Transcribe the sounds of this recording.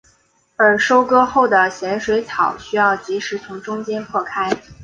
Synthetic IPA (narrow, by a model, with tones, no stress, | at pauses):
ə˞˧˥ʂo˥ʊkɤ˥xo˥˩ʊd̪ə˩ɕjɛ˧˥nʂwe˧˥ɪt͡s̪ʰɑ˨˩˦ʊɕy˥jɑ˥˩ʊt͡ɕi˧˥ʂɻ̩˧˥t͡sʰʊ˧˥ŋʈ͡ʂʊ˥ŋt͡ɕjɛ˥npʰwɔ˥˩kʰa˥ɪ